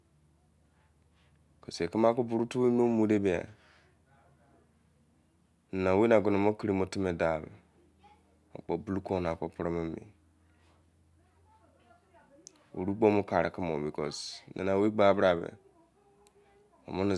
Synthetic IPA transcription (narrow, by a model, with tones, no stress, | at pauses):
ko˨se˨ki˦m˦a˦ku˦bu˨ɾu˦tu˦we˦no˦mu˨˦de˦bi˨a̰˨ | n̩˨na˨we˦na˨ɡo˨no˨mo˦ki˦ɾi˦mo˦ti˦me˨da˨βḛ˨ | o̰˨k͡po˨bu˦lu˦ko˦n˨a˨ko˨pɾo˦me˦mḭ˨ | ṵ˨ɾu˦k͡po˦mu˦ka˨ɾa̰˨ki˦mo̰˨bi˨ko̰˨snʔa̰˨na˨we˦ɡ͡ba˦˨bɾa˨βḛ˨ | o̰˨mo˦ni˨